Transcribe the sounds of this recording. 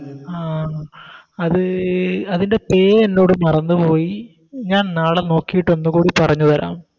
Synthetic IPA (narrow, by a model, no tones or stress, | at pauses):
aː | ɐðɨɐðinde̞pe̞ːenːo̞ːɽɨmɐrɐnːupo̞ːji | ɲaːnnaːɭeno̞ːkːijiʈːɐnːukuːɽipɐrɐɲːuðɐɾa̰ːm